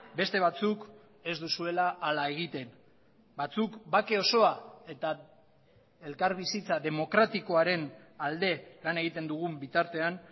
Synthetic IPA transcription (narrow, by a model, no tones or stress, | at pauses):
be̞st̪e̞βat͡suk | e̞zd̪usue̞laʔːlae̞ɣ̞it̪e̞n | bat͡sukbake̞o̞so̞ae̞t̪a | e̞lkaɾβisit͡saðe̞mo̞kɾat̪iko̞aɾe̞nald̪e̞lane̞ɣ̞it̪e̞nd̪uɣ̞umbit̪aɾt̪e̞an